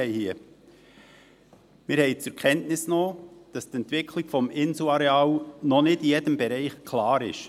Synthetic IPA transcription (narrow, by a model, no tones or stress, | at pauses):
ɛɪhiːə | mɪɾhɛɪt͡sʊɾkʰɛntnɪsnoːd̥ɑst̪ɛntvɪkʰlɪɡ̥fɔmɪnsuɑɾɛɑlnɔnɪdijed̥əmbɛɾɛɪχkʰlɑːɾɪ̰ʃ